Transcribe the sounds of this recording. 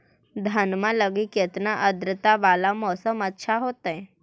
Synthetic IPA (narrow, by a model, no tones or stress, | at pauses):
d̪ʱənmaləɡikjet̪naʔəd̪ɾət̪aʋalamɔsəmətːɕʰʃʰaɦot̪əe